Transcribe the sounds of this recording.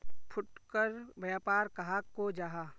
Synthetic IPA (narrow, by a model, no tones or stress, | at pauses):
pʰʊʈkəɾbjaːpaːɾkɐɦaːkːod͡ʒaːɦaː